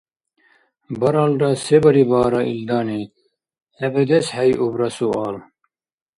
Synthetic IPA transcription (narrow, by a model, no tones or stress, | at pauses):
bɐɾɐlɖɐsebɐɾibaːɾɐḭld̪aːni | hɐbed̪eshɐjʔubɾɐsuɑːl